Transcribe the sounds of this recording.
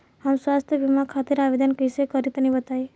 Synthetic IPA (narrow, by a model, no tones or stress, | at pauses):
ɦamswast̪ʰjəʋimakʰat̪iɾaʋed̪ʱənkisekəɾit̪nĩbət̪aj